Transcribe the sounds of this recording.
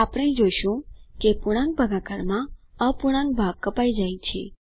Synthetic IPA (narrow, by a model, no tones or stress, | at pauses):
apɽ̃eid͡ʒoʃũkepuɽ̃ãŋk̚bʱəɡakaɾmã | əpuɽ̃ãŋk̚bʱaɡ̚kːəpajd͡ʒajt͡ʃʰḛ